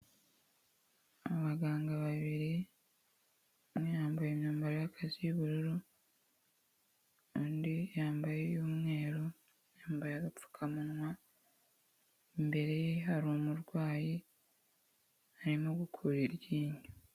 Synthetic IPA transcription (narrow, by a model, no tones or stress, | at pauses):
aβaɡaːŋɡaβaβiɾi | mwejaːmbajemnuːmbaɾejakʰaziβuɾuɾu | ondijaːmbajejoːmŋe̞ːɾo | jaːmbajaɡafu̥kʰamunwa | mbe̞ɾejeaɾoːmuɾɡwaːji | aɾimoɡukʰuɾiɾɟiːɲu